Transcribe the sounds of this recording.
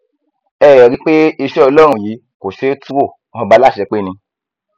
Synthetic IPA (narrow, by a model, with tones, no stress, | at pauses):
ɛː˨jɔ˨ɾi˨˦k͡pe˦i˧ʃɛ˦ɔ˧lɔ˦ɾũ˧˨jiː˨˦ | ko˨ʃe˨˦tũ˦wo˦˨ | ɔ̃˧˦ba˦la˦˨ʃɛ˧k͡pe˦nĩ˧